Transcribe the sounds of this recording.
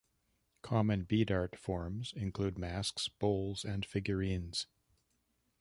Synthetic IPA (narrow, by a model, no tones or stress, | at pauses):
kʰɑmɨ̃nbiɾɑɹtfɔɹmz̥ɪ̃nkʰl̥ʉd̚mæsksb̥oʊlˠz̥ɨ̃nfɪɡjə˞ĩnz̥